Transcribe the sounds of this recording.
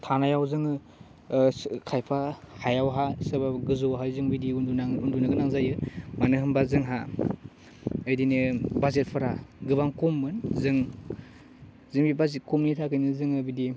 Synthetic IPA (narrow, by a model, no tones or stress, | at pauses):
tʰanajawzɯŋɯ | kʰajpʰahajawɦasɯbaɡɯzɔwɦajzɯŋbidiuaundunɯɡɯnaŋzajɯmanɯɦɯmbazɯŋɦa | ɯjdinɯbazet̚pʰɯɾaɡɯbaŋkomːɯnzɯŋ | zɯŋbibazet̚kɔmnitʰakɯjnɯzɯŋɯbidi